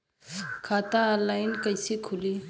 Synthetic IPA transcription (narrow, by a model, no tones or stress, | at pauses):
kʰaːt̪alaːɪnkəsekʰʊli